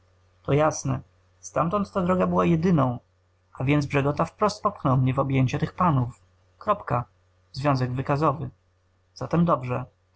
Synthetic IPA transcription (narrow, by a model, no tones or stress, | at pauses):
t̪ɔjasnɛ | st̪amt̪ɔnt̪ːad̪ɾɔɡabɘwajɛd̪ɘnɔ̃w̃ | avʲjɛnd̪zbʐɛɡɔt̪afpɾɔst̪̚pɔpxnɔwmɲɛvɔbʲjeɲt͡ɕat̪ɘxpanuf | kɾɔpka | zvʲjɔ̃w̃zɛɡvɘkazɔvɘ | z̥at̪ɛmd̪ɔbʐɛ